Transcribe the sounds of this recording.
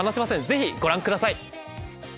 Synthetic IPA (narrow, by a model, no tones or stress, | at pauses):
anaɕimasẽ̞d͡ze̞çiɡo̞ɾãŋkɯ̟d̪asai